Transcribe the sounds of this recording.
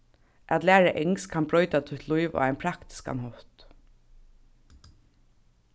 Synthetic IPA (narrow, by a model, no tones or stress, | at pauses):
ʔæt̪læːɹaʔɛŋskʰanbɹɔʏt̪at̪ʰʊt̪lujʋa̰æɪnpʰɾakt̪ɪ̥ska̰nhɔht̪